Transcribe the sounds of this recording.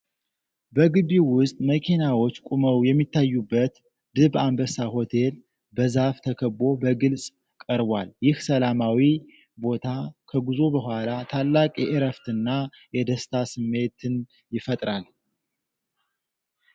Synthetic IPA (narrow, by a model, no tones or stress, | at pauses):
bəɡɨβiwʊst̪ʼməkʰinawo̞t͡ʃːkʼuməwjɛmːit̪ʰːajːubːət̪ | d̪ɨbambəsaho̞t̪ʰe̞l | bəzaft̪ʰəkʰəbo̞bəɡɨlsʼ | kʼəɾbwaljɪhsəlamawi | bo̞t̪ʰakʰəɡuzo̞bəhʷalat̪ʰalːakʼjɛʔɪɾəft̪ɨnːa | jɛd̪əst̪ʰasɨmːe̞t̪ʰɨn | jɪfət̪ʼɾal